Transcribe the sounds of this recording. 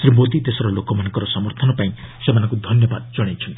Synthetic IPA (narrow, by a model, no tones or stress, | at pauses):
sɾimod̪id̪esɔɾɔlokɔmanɔŋkɔɾɔsɔmɔɾt̪ʰɔnɔpaĩ | semanɔ̃ŋkud̪ʱɔnjɔbad̪d͡ʒɔɽ̃ajt͡ʃʰɔnt̪ii̥